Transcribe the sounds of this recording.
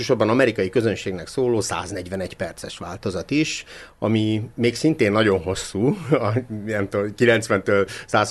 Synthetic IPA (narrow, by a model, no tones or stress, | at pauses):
oʃo̞rbɒnɒmɛɾikɒjikøzø̞nʃeːɡnɛksoːloːsa̰ːznɛɟʋɛnɛɟpɛrt̪sɛʃʋa̰ːlt̪o̞zɒt̪iʃ | ɒmimeːksint̪eːnːɒɟo̞nɦo̞sːuːɒijɛmt̪okilɛnt̪sʋɛnt̪øːlsaːs